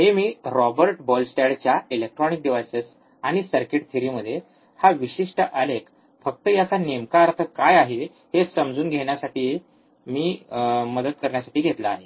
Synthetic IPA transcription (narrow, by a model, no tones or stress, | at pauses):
ɦemiːɾɔbəɾʈbɔlsʈeɽt͡ɕjailek̚ʈɾɔnik̚ɖiʋajses | aɽ̃isəɾkiʈt̪ʰiɾiːməd̪ʱːje | haʋiɕiʂʈəʔəlek | fək̚t̪əjat͡sanemkaəɾt̪ʰəkajaɦe | ɦesəmd͡zuːnɡʱeɳ̃jasaʈiː | miːməd̪ət̪̚kəɾɳjasaʈiːɡʱet̪laːɦe